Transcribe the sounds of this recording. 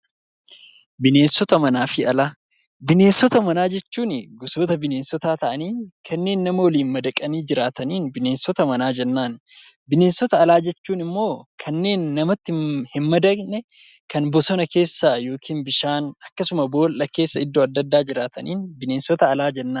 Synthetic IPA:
bɪne̞ːnsːɔt̪ɐmɐnaːfɪɐlaː | bɪne̞ːnsːɔt̪ɐmɐnaːd͡ʒɛt͡ʃːuːnɪɡʊso̞ːt̪ɐbɪne̞ːnsːɔt̪aːt̪ɐʔɐniːkʰɐnːe̞ːnːɐmɐwɔliːnmɐd̪ɐkʼɐniːd͡ʒɪɾaːt̪ɐniːnbɪne̞ːnsːɔt̪ɐmɐnaːd͡ʒɛnːaːnbɪne̞ːnsːɔt̪ɐːlaːd͡ʒɛt͡ʃːuːnɪmːo̞ːkʰɐnːe̞ːnːɐmɐt̪ːɪhɪnmɐd̪ɐɡnɛ | kɐnbɔsɔnɐke̞ːsːaːjo̞ːkʰiːnbɪʃaːnɐkːɐsʊmɐbo̞ːlʔɐkeːsːɐɪd̪ːoːɐd̪ːɐd̪ːaːd͡ʒɪɾaːt̪ʰɐ̰niːnbɪneːnsɔt̪ɐːlaːd͡ʒɛnːaːn

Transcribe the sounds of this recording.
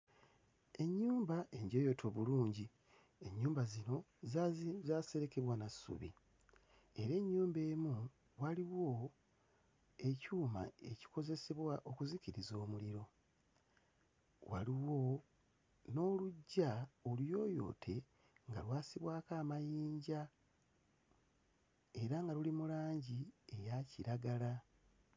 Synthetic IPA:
e̞ɲːuːmbae̞ɲɟo̞ːjo̞tʰo̞βuluːɲɟi | eɲːuːmbazino̞ | zaːse̞ɾe̞ke̞βwanasːṵβḭ | e̞ɾe̞ɲːuːmbe̞ːmu | waliwo̞ | e̞cuːma̰e̞ci̥ko̞ze̞seβwaʔo̞kuziciɾizo̞ːmuliɾo̞ | wa̰liwo̞ | no̞ːluɟːaoljo̞ːjo̞̰ːtʰe̞ | ŋɡa̰lwaːsiβwaːkaːmajiːɲɟa | e̞ɾaŋɡalulimulaːɲɟiejaciɾaɡala

